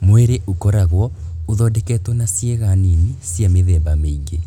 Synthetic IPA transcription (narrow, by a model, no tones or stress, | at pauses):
mweɾeʔokɔɾaɣwɔoðɔdɛkɛːtwɔnasjeɣanenisjameðɛːbameiɡe